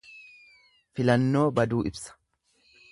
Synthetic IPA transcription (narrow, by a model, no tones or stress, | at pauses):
fɪlɐnːo̞ːbɐd̪uːʔɪbsɐ̥